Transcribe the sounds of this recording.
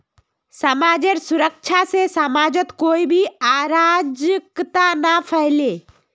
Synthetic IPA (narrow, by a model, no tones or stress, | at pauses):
səmaːd͡ʒəɾsʊɾək̚t͡ʃʰasesəmaːd͡ʒət̪koːibʱiaːɾaːd͡ʒəkt̪anapʰəɦleː